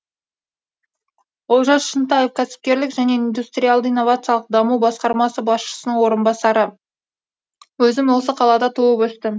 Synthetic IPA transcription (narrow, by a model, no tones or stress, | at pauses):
oʒɑsʃənt̪ɑjefkʲʰæsɪ̥p̚kʲe̞ɾlɪkʒæne̞ind̪ust̪ɾʲijalˠd̪əinːo̞vat̪sɨjɑlˠəq̚d̪ɑmubɑsqɑɾmɑsəbɑsʃə̥sənəɴwo̞ɾənbɑsɑɾə | wɵzɪmwo̞s̬əqʰɑlˠɑd̪ɑt̪ʰuəpɵst̪ɪm